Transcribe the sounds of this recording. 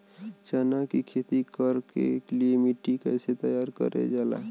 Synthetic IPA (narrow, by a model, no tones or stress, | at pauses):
t͡ʃaːnakikʰeːt̪ikəɾkḛkliiemiʈːikəːset̪əjaːɾkə̰ɾḛd͡ʒaːla̰